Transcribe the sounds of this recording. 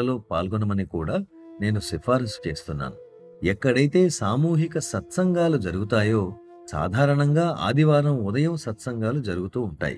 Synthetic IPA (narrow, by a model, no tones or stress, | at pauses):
ɐlo̞ːpa̰ːlɡɔnɐmɐnikuːɽaː | ne̞ːnusipʰaːɾist͡ʃe̞ːst̪unːa̰ːnu | ɛkːɐɽɐjt̪e̞ːsaːmuːɦikɐsɐt̪sɐŋɡaːlud͡ʒɐɾuɡut̪aːjo̞ː | sa̰ːd̪ʱaːɾɐɳɐŋɡaːʔa̰ːd̪ʱiʋaːɾɐmud̪ɐjɐmsɐt̪sɐŋɡaːlud͡ʒɐɾuɡut̪uːuɳʈa̰ːjḭ